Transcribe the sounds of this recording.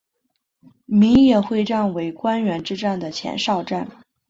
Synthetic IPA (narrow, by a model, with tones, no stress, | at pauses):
mi˧˥ŋjɛ˥˩xwe˥˧ɪʈ͡ʂa˥˩nwe˧˥ɪkwa˥nɥɛ˧˥nʈ͡ʂɻ̩˥ʈ͡ʂa˥˩nd̪ə˩t͡ɕʰjɛ̰˧˥nʂɑ˥˧ʊʈ͡ʂa˥˩n